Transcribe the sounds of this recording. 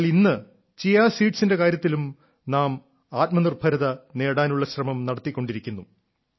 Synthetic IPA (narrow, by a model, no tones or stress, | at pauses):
linːɨ | t͡ɕijaːsiːʈsinde̞kaːɾjɐt̪ːilum | naːm | aːt̪̚mɐnirbʱɐɾɐðɐne̞ːɽaːnuɭːɐɕrɐmɐmnɐɽɐt̪ːikʲːo̞ɳɖiɾikʲːunːu